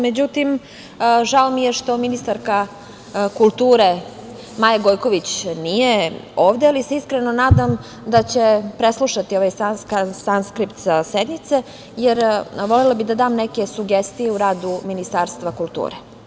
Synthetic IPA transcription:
med͡ʑut̪im | ʒaomijeʃt̪o̞minist̪aɾka | kulˠt̪uːɾe | maːjaɡojko̞ʋit͡ɕnije̞o̞ːʋd̪ealise̞iskɾenonaːd̪am | d̪at͡ɕe̞pɾeslˠuʃat̪io̞ʋajsansksanskɾipt̪sased̪nit̪se̞ | jeɾʋo̞lelabid̪ad̪aːmneke̞suɡest̪ijeuɾaːd̪uminist̪aːɾst̪ʋakulˠt̪ṵːɾe

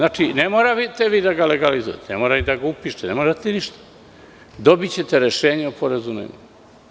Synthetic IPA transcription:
znaːt͡ʃinemoːɾaʋit̪eʋiːd̪aɡaleɡalizṵjḛt̪enemoːɾaid̪aɡaupiːʃenemoɾat̪eniʃt̪ḁ | d̪o̞bit͡ɕe̞t̪eɾeʃeːɲeupoɾazunḛɲ̰

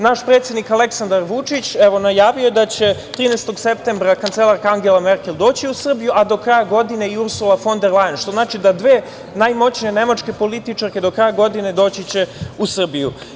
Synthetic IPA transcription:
naʃpɾet̪sjed̪nikale̞ksand̪aɾʋut͡ʂit͡ɕeʋo̞najaːʋijoed̪at͡ɕe̞t̪ɾiːnest̪o̞ɡsep̚t̪embɾakant̪selˠaɾkaaŋɡe̞lˠameɾkʲe̞ld̪o̞ːt͡ɕiusr̩bijuʔad̪o̞kɾaːjaɡo̞d̪ine̞iuɾsulˠafo̞nd̪eɾlajenʃt̪o̞znaːt͡ʃid̪ad̪ʋeː | najmo̞t͡ɕniene̞mat͡ʂke̞po̞lit̪it͡ʂaɾke̞d̪o̞kɾaːjaɡo̞d̪ine̞d̪o̞ːt͡ɕit͡ɕe̞usr̩biju

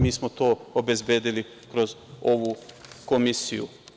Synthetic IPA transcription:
miːsmot̪oːobe̞zbeːd̪ili | kɾozoʋukomisijṵ

